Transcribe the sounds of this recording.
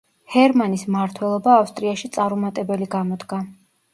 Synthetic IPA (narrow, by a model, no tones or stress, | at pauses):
hɛɾmanismaɾt̪ʰwɛlˠɔbaːfst̪ʼɾiaʃit̪sʼaɾumat̪ʼɛbɛliɡamɔd̪ɡa